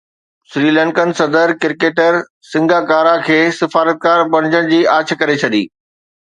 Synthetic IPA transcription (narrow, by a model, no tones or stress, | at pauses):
sɾiːlɛ̃ːɳkənɪ̆sɐd̪əɾkɪɾkeːʈəɾ | sɪ̃ŋɡʱakaːɾakʰeːsɪfaːɾət̪̚kaːɾbɐɽ̃d͡ʑəɽ̃̆d͡ʑiːaːt͡ɕ̆ʰkɐɾet͡ɕʰɐɗḭː